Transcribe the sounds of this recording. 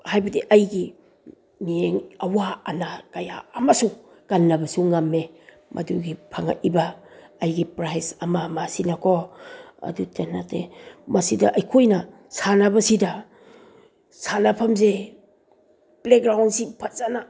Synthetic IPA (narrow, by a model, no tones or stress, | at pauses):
hajbɐdiʔɐjɡi | nieŋɐwaːnakɐja̰ːmasu | ɡ̥anːɐbɐsuŋamːe | mʔɐ̰duɡipʰaŋa̰ʔibɐːjɡipɾajsɐmɐmasinɐkʰoɐ̰dutenatemɐsidɐʔɐjkʰojnɐ | sanabɐsidɐ | sanapʰɐmze | plekɡɾawnsipʰɐtzana